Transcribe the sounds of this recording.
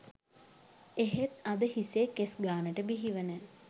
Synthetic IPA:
eɦet̪ad̪əhiseːkesɡaːnəʈəbiɦiʋənə

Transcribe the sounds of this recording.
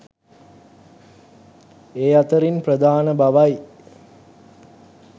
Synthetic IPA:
eːat̪əɾinprəd̪aːnəbaʋaj

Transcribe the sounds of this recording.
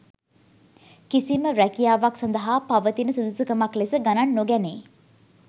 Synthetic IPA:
kisiməɾækijaːʋaksɐnd̪əɦapaʋət̪inəsud̪usukəmaklesəɡananːoɡɛneː

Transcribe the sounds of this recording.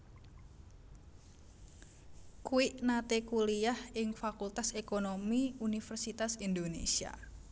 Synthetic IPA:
kuiʔnat̪ekuliahɪŋfakult̪asekonomiunifərsit̪asind̪onḛsia̰

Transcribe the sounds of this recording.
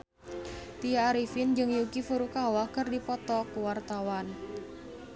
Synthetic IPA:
t̪iaːɾifind͡ʒɨŋjukifuɾukawakɨrdipɔt̪ɔkəwart̪awan

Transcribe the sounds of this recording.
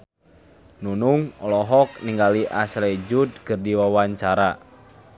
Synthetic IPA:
nunuŋɔlɔɦɔk̚niŋɡaliʔaslɛd͡ʒud̪̚kɨrdiwawaɲt͡ʃaɾa

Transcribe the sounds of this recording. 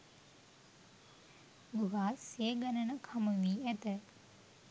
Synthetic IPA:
ɡuɦaːseːɡanənəkʰamuʋiːæt̪ə

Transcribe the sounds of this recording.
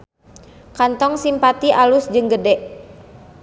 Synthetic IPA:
kant̪ɔŋsimpat̪iʔalusd͡ʒɨŋɡədɛʔ

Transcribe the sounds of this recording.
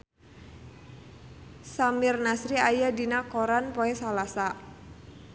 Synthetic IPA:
samɪrnasɾiajadinakoɾanpoɛsalasa

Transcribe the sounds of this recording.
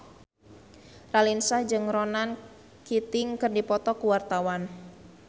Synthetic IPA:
ralinsahd͡ʒɨŋrɔnan | kit̪ɪŋkɨrdipɔt̪ɔkuwart̪awan

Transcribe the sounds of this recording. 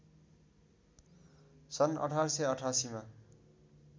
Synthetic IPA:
sʌnʌ̰ʈʰarsʌjʌʈʰasima

